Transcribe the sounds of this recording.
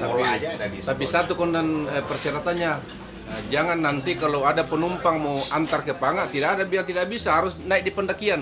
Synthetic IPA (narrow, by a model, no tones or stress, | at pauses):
t̪ait̪apisat̪ukɔndanəpərsɛɾat̪anɲa | d͡ʒaŋanːant̪ikalowadapənumpaŋmawʔant̪arkəpaŋat̪idakadabilaŋt̪idakbisaɦaɾʊsnaik̚dipəndakian